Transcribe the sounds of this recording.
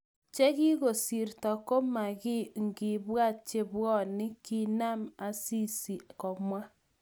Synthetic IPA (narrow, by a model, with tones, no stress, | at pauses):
t͡ʃɛ˦ɣi˦ɣo˨si˨ɾtɔ˨ko˦ma˨ɣɪ˦ŋɡɪ˨βwa˦˨t̚t͡ʃe˦βwɔ˦˨nɪ˦ki˦na˦˨ma˨si˦˨si˨kɔ˨mwa˦